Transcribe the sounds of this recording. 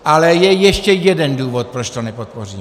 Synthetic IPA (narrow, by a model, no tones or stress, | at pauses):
ʔalɛjɛjɛʃcɛjɛdɛnduːvot̪̚pɾot͡ʃt̪onɛpot̪̚por̝ḭːm